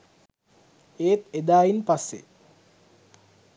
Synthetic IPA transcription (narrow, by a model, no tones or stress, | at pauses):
eːt̪ed̪aːinpasːḛ